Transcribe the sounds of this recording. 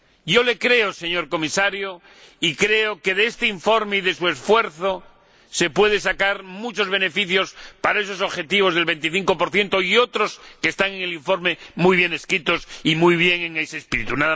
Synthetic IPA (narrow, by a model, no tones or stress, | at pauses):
ɟ͡ʝo̞le̞kɾe̞ose̞ɲo̞ɾko̞misaɾjo | ikɾe̞oke̞ðeest̪eiɱfo̞ɾme̞iðesue̞sfwe̞ɾθo | se̞pwe̞ð̞esakaɾmut͡ʃo̞zβe̞ne̞fiθjo̞spaɾae̞so̞s̬oβxe̞t̪iβ̞o̞zð̞e̞lβe̞nt̪iθiŋko̞poɾθje̞nt̪o̞io̞t̪ɾo̞skest̪aŋe̞ŋe̞liɱfo̞ɾme̞mujβ̞je̞ne̞skɾit̪o̞simujβ̞je̞ŋeŋeseːspiɾit̪unaða